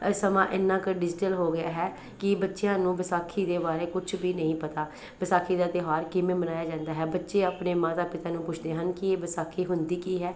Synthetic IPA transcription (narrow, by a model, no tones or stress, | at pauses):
səmãːʔɪnːãːkəɾɖɪd͡ʒɪʈəlɦoːɡɪjaːɦɛː | kɪbətːʃejãːnũːbɪsaːkʰːiːd̪eːbaːɾeːkʊt͡ʃʰbiːnəĩːpət̪aː | bɪsaːkʰiːd̪aːt̪ɪɦaːɾkɪmẽːmənaːjaːd͡ʒãːnd̪aːɦɛːbətːʃeːaːpneːmaːt̪aːpɪt̪aːnũːpʊt͡ʃʰd̪eːɦənkɪeːbɪsaːkʰiːɦʊnd̪iːkiːɦɛː